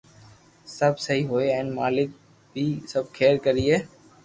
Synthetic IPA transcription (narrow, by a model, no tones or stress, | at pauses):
səbʱsəɦiːɦoːeːɛ̃ːnmaːlɪk̚ | bʱiːsəb̚kʰeːɾkəɾiːɦeː